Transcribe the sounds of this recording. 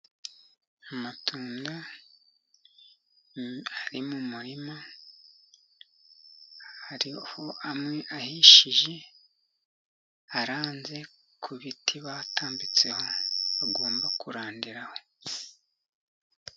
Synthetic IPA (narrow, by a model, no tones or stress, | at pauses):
amatʰuːnda | aɾimumuɾima | haɾiho̞amŋe̞ʔahiʃiʒe̞ | aɾaːnze̞ | kʰuβitʰiβatʰaːmbit͡se̞ho̞βaɡo̞ːmbakuɾaːndiɾaho̞